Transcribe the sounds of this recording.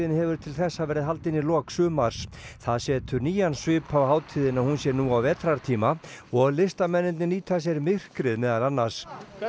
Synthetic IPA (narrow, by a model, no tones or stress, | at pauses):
ðɪnhɛvʏɾ̥t̪ʰɪlθɛsːavɛːɾɪðɦalt̪ɪnːilɔːksʏːmaɾ̥sθaðsjɛːt̪ʏɾniːjansvʏːpʰavhaːwt̪ʰiːðɪnaðhunsjɛɾnuːawvɛːt̪ɾaɾ̥t̪ʰiːmaɔɣlɪst̪amɛnːɪnt̪nɪniːt̪ʰas̬jɛɾmɪr̥kɾɪðmɛːðalanːaɾ̥s